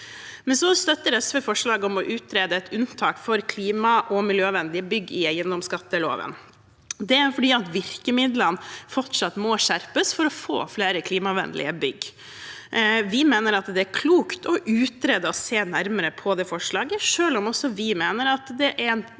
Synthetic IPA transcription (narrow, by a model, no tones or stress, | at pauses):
mɛnsɔst̪œt̪ːəɾɛsʋɛfɔʂɭɑːɡɔmɔʔʉːt̪ɾeːd̪əɛt̪ʰʉnt̪ʰɑːkfɔɾkʰliːmɑʔɔmɪljøːʋɛnlɪəbʏɡːɪæɪənd̪ɔmskɑt̪ːəlo̰ːʋə̰n | d̪ɛæɾfɔɖiːɑt̪ʋɪɾkəmɪd̪lənfɔʈʂɑt̪mɔʂæɾpəsfɔɾɔfo̰ːfleːɾəkʰliːmɑʋɛ̰nd̪lɪ̰əbʏɡː | ʋɪmeːnəɾɑt̪d̪ɛæɾkʰluːkt̪ɔʔʉːt̪ɾeːd̪əɔseːnæɾməɾəpʰɔd̪ɛːfɔʂɭɑːɡəʂøːlɔmɔsːɔʋɪmeːnəɾɑt̪d̪ɛʔæɾn